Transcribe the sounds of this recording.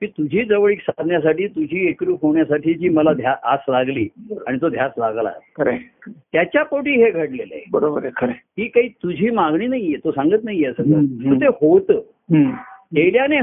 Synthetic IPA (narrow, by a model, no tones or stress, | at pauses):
kiːt̪ud͡ʑʱiːd͡zəʋɭiːksad̪ʱnjas̬aʈiːt̪ud͡ʑʱiːekɾuːfoɳjasaʈiːd͡ʑiːməlad̪ʱjaʔaslaɡliːaɽit̪od̪ʱjaslaɡla̰kəɾet̪jat͡ɕjapoʈiːɦeɡʱəʈlelḛbəɾobəɾkʰəɾeɦiːkaɦiːt̪ud͡ʑʱiːmaɡɳiːnaɦijet̪osãŋɡət̪naɦijeəsə̃t̪ət̪ot̪ehot̪ə | eɽjane